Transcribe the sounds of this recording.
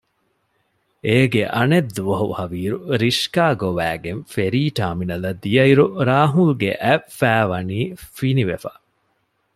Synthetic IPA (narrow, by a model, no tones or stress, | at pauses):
eːɡeʔɐned̪ːuʋɐɦṵhɐʋiːɾuɾiʃkaːɡoʋæːɡenfeɾiːʈaːminɐlɐd̪ijɐiɾuɾaːɦulɡeʔæfːæːʋɐniːfiniʋefɐ